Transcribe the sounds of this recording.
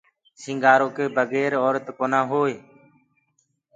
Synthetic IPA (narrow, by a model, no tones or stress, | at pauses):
sɪ̃ŋɡaːɾoːkeːbəɡɛːɾɔːɾət̪koːnãːɦoːeː